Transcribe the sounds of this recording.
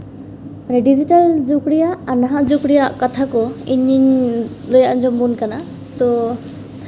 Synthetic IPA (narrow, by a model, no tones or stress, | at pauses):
pɾɛɖid͡ʒiʈald͡ʒukɽijaːnaɦad͡ʒukɽijaʔkɔt̪ʰakɔiɲiɲlojaʔnd͡ʒɔmbunkana | t̪ɔ